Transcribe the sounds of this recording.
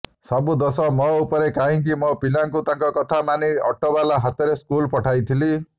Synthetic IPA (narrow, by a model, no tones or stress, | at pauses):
sɔbud̪ɔsɔmɔupɔɾekaɦĩk̬imɔpilaŋkut̪aŋkɔkɔt̪ʰamaniɔʈobalaɦat̪ɔɾeskulpɔʈʰajt̪ʰili